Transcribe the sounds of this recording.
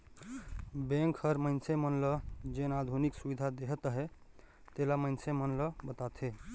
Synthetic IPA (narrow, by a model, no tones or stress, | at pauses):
bẽŋkhəɾməɪnsemənləd͡ʒenad̪ʱuniksubid̪ʱad̪eɦət̪ɦe | t̪elaməɪnsemənləbət̪at̪ʰɦe